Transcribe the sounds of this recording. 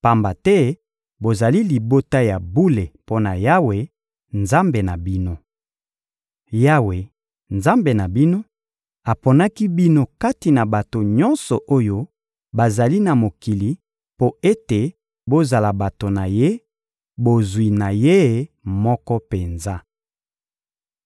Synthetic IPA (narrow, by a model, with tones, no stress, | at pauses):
pa˨mba˨tɛ˦ | bo˨za˨li˦li˨bo˦ta˦ja˨bu˦le˨po˦na˨ja˦we˨ | nza˦mbe˨na˨bi˦no˦ | ja˦we˨ | nza˦mbe˨na˨bi˦no˦ | a˨po˨na˦ki˦bi˦no˦ka˦ti˨na˨ba˨to˨ɲɔ˦nsɔ˨ʔo˦jo˦ | ba˨za˨li˦na˨mo˨ki˨li˨˦ | po˦e˦te˨ | bo˦za˨la˨ba˨to˨na˨je˦ | bo˨zwi˨na˨je˦˨mɔ˦kɔ˦pe˨nza˦